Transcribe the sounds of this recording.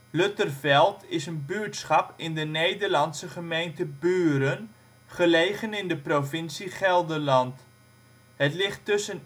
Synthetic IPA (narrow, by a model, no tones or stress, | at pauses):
lɵtərfɛlˠtʰɪsənbyːɹtsχɑpɪndənejdəɹlɑnsəχəmejntəbyːɾən | χəlejχənɪndəprofɪnsiχɛlˠdəlɑnt | ɦətlɪχtːɵsən